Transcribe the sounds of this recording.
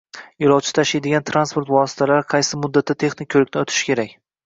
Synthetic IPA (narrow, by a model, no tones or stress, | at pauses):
ɪɾɒwt͡ʃʰɪ̥t̪ʰaʃajd̪ɪɡʲant̪ʰɾanspo̞ɾt̪vɒsɪ̥t̪ʰalaɾɪqʰɑjsɪmʊd̪ːat̪ʰːat̪ʰe̞χnɪk̚ʲːʰɵlɪkʲnɪot̪ʰɪ̥ʃkʲʰe̞ɾakʲ